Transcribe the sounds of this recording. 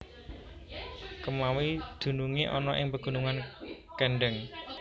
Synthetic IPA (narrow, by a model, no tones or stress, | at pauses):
kəmawid̪̥ṳnuŋeʔɔnɔʔɪŋpəɡ̥ṳnuŋan | kɛɳɖəŋ